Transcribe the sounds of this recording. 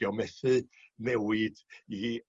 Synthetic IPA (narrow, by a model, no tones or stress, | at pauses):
ɔmɛθɨnɛwɨd̥i